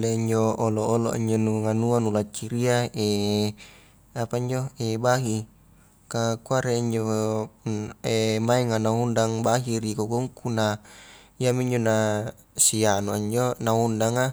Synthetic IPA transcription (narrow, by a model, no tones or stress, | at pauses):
leiɲd͡ʒooloʔolo̰ʔḭɲd͡ʒonuŋanuanulat͡ʃːiɾiae | apaiɲd͡ʒoebaɦi | kakuaɾeiɲd͡ʒo | emaɛŋanaundaŋbaɦiɾikoɡuŋkuna | iamiɲd͡ʒona | sianuaɲd͡ʒonaundaŋa